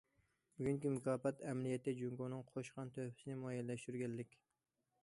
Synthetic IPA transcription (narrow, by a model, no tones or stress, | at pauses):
byɡʲyŋkʲimʊkʰɑːfɛt̪ɛmlijɛt̪ːɪd͡ʒuŋɡonɨŋqʰoʃqɑnt̪ʰøpʰɪ̥sɪnɪmɑjɛlːɛʃt̪yɾɡʲɛnlɪkʲ